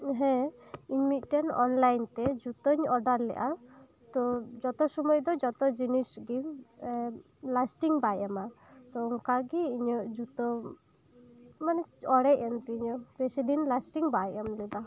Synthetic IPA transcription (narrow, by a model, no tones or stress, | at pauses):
ɦɛ̃iɲmit̪̚ˀʈɛnɔ̰nlajnt̪ɛd͡ʒut̪əɲɔɖaɾlɛ̰ʔa | t̪ɔd͡ʒɔt̪ɔsɔmɔjd̪ɔd͡ʒɔt̪ɔd͡ʒinisɡi | lasʈiŋbajama | t̪ɔɔŋkaɡiːɲɔʔd͡ʒut̪ɔ | manɛɔɽɛʔɛnt̪iiɲɔbesid̪inlasʈiŋbajamlɛb̪a